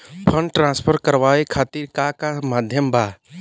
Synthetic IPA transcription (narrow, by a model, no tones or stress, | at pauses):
pʰəɳɖʈɾãnspʰəɾkəɾbaekʰat̪iɾkakamad̪ʱjəmba